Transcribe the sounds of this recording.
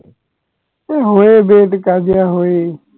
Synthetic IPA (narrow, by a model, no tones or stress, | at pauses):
eːɦoːeːbeːʈkaːd͡ʒɪjaːɦoːeː